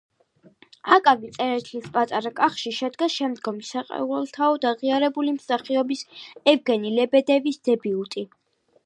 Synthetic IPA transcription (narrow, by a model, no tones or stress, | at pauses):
akʼavit̪sʼɛɾɛt̪ʰlispʼat̪ʼaɾakʼaχʃiʃɛd̪ɡaʃɛmd̪ɡɔmisaqʼɛ̰uɛlˠt̪ʰaɔd̪aʁiaɾɛbulimsaχiɔbisɛvɡɛnilɛbɛd̪ɛvisd̪̥ɛbiut̪ʼi